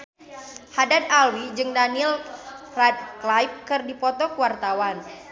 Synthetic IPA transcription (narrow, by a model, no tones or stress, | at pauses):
hadat̪alwid͡ʒɨŋdanilfrad̪̚klajp̚kɨrdipɔt̪ɔkəwart̪awan